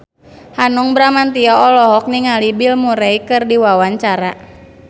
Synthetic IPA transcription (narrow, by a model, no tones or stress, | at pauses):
hanuŋbɾamant̪iɔɔlɔɦɔk̚niŋalibilmuɾɛikɨrdiwawaɲt͡ʃaɾa